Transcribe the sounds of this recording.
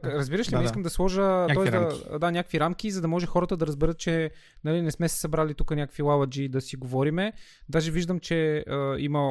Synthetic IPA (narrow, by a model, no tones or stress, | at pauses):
ɾəzbiɾəʃlʲiiskəmd̪ɐslˠɔʒətt̪ɔɛzd̪ɐd̪anʲakəkviɾamkʲizɐd̪ɐmɔʒɛxɔɾət̪əd̪ɐɾəzbɛɾɤt̪̚t͡ʃɛ | nɐlinɛsmɛsɛ̥sɐbɾalit̪ukənʲakə̥kvilˠavɐd͡ʒid̪ɐsiɡovɔɾimɛd̪aʒɛviʒd̪əmt͡ʃɛəimɐ